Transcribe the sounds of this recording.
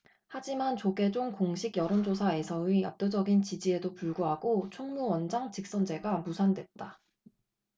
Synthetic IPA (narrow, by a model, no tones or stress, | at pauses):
had͡ʑimant͡ɕoɡe̞d͡ʑoŋkoŋɕʰiɡjʌɾond͡ʑosʰae̞sʰʌia̰p̚t͈od͡ʑʌɡint͡ɕid͡ʑie̞dopuɭɡuɦaɡot͡ɕʰoŋmuwʌnd͡ʑaŋt͡ɕik̚s͈ʌnd͡ʑe̞ɡamusʰandwe̞t̚t͈a